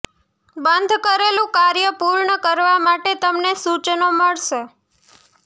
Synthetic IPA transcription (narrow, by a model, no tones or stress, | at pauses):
bənd̪ʱkəɾelũkaɾjəpuɾɳəkəɾʋamaʈet̪əmnesut͡ʃnoməɭʃe